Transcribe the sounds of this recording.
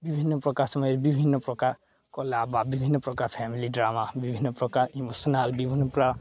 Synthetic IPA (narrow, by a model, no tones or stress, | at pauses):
bibʱinːɔpɾɔkaɾsʌmɔjɾbibʱinːɔpɾɔkaɾ | kɔlababibʱinːɔpɾɔkaɾpʰɛmiliɖɾamabibʱinːʌpɾɔkaɾimosɔnalbibʱinːɔpɾaɾ